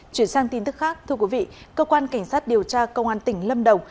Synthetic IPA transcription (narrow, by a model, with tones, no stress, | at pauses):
t͡ɕwi˧˩ənsaː˧ŋt̪i˧nt̪ɨ˦˥k̚xaː˦˥k̚t̪ʰɨ˧əkwi˨˦vḭ˧˨kəː˧kwaː˧nka˧˩jŋ̟saː˦˥t̚ɗi˨˩əwt͡ɕaː˧kə˧wŋ͡mʔaː˧nt̪ï˧˩ŋ̟lə˧mɗə˨˩wŋ͡m